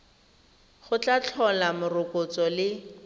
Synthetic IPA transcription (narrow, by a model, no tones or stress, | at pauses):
χʊt͡ɬat͡ɬʰɔlamʊrʊkʼʊt͡sɔlɪ